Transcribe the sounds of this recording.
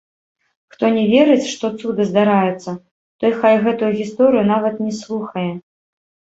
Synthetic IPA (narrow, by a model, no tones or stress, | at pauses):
xt̪ɔnʲɛvʲɛɾɨt͡sʲʂt̪ɔt̪sud̪ɨzd̪aɾajɛt̪sːɐ | t̪ɔjxajɣɛt̪ujuɣʲist̪ɔɾɨjunavɐt̪nʲɛslˠuxɐjɛ